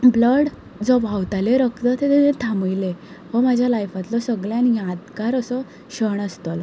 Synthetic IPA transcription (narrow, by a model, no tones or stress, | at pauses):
bləɽ | d͡zɔbʱawt̪aleɾəkt̪ət̪et̪eẽt̪ʰaməjlehɔmad͡ʑʱjalajfat̪lɔsəɡljanjãd̪kaɾəsɔ | ɕəɳəst̪ɔl